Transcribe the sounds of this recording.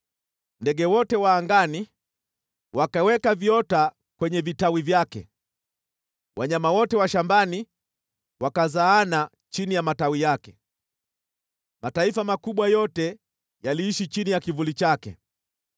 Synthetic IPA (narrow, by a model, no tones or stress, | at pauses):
ndɛɡɛwɔtɛwaːŋɡani | wakawɛkaviɔta | kwɛɲɛvitawivjakɛ̰ | wʔaɲamawɔtɛwaʃambani | wakazaːna | t͡ʃinijamatawijakɛ | mataifamakuɓwajɔtɛ | jaliːʃit͡ʃinijakivulit͡ʃakɛ̰